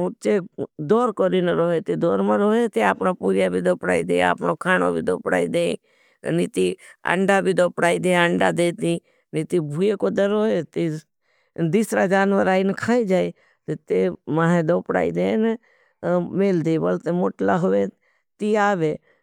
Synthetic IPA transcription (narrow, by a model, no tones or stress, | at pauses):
ut͡ʃed̪oːɾkoɾinəɾoːɦet̪id̪oːɾmaɾoːɦet̪eaːpnopuːɾjabʱiːd̪oːpɽa̰ːḭd̪eːa̰ːpnoːkʰaːno̰bʱḭːd̪oːpɽa̰ːid̪ḛː | niːt̪iːə̰ɳɖabʱiːd̪oːpɽaːid̪eːəɳɖad̪eːt̪iː | nit̪ibʱuekoːd̪əɾoːɦet̪i | d̪iːsɾaːd͡ʒaːnʋəɾaːinəkʰaːid͡ʒaːi | t̪et̪emaːɦẽd̪oːpɽa̰ːḭd̪eːne | meːld̪eːbəlt̪emoːʈlaɦoʋe | t̪iːaːʋeː